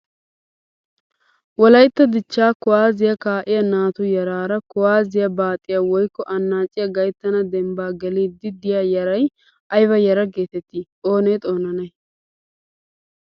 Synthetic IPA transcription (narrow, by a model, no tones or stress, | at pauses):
wɔlɐjt̪ːɐd̪ɪt͡ʃːaːkʊwaːzɪjɐkaːʔɪjɐnaːt̪ʊjɐɾaːɾɐkʊwaːzɪjɐbaːt̪ʼɪjawɔjkːɔʔɐnːaːt͡ʃʼːɪjɐɡɐjt̪ːɐnɐd̪ɛmbaːɡɛliːd̪ɪd̪ɪjaːjɐɾɐj | ʔɐjbɐjɐɾɐɡe̞ːt̪ɛt̪ːiːʔoːnɛjt̪ʼo̞ːnɐnɐj